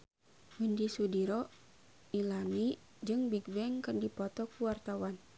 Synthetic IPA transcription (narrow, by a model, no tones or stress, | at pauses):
wundisudiɾɔ | ilami | d͡ʒɨŋbiɡwɛŋkɨrdipɔt̪ɔkuwart̪awan